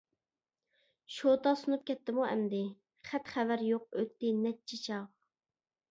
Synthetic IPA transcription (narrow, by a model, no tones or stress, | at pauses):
ʃot̪ɑsunup̚kʲɛt̪ːɪmuɛ̰md̪ɪ | χæt̪χævæɾjoq̚øt̪ːɪnɛt̚t͡ʃʰit͡ʃʰɑʁ